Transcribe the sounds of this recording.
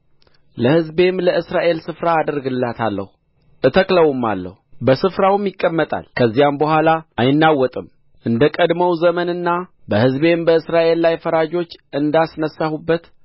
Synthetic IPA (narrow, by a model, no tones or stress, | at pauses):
ləhɨzbe̞mləʔɨsɾaʔe̞lsɨfɾaːd̪əɾɡɨlːat̪ʰa̰lːə̰hu | ʔɨt̪ʰəkləwumːa̰lːə̰hubəsɨfɾawmjɪkʼːəmːət̪ʼa̰lkʰəzːijambəhʷalaajɪnːawːɔt̪ʼɨm | ʔɨnd̪əkʼəd̪məwzəmənɨnːabəhɨzbe̞mbəɨsɾaʔe̞lːajfəɾad͡ʒo̞t͡ʃːɨnd̪asnəsːahubːət̪